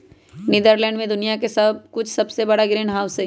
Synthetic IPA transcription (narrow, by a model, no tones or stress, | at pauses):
nɪd̪əɾlɛ̃ːɳɖmẽd̪ʊnijakesɐb̚kʊt͡ʃʰsɐbsebɐɽaɡɾeːɳɦaːwse